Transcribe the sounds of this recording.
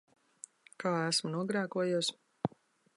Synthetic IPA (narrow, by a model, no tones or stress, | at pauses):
kaːæsmunuɔɡɾaːkuɔjuɔs